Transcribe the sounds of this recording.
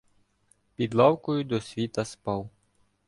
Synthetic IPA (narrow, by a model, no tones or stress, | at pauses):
pʲid̪lˠɑwkɔjʊd̪ɔsʲʋʲit̪ɐspɑw